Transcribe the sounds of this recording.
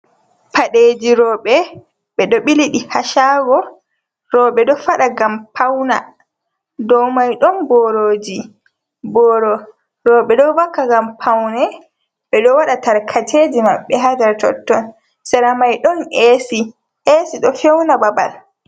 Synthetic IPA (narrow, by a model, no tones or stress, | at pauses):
paɗed͡ʒiɾɔɓɛ | ɓɛɗɔɓiliɗihaʃaːɡɔ | ɾɔɓɛɗɔfaɗaɡampʰawna̰ | dɔwmajɗɔnbɔɾoːd͡ʒi | bɔɾɔ | ɾɔɓɛɗɔvakːaɡampʰawnɛ | ɓɛɗɔwaɗataɾkʰatʰeːd͡ʒima̰ɓːɛɦadɛɾtɔ̰tːɔn | sɛɾamajɗɔnesi | esiɗɔfɛwnababa̰l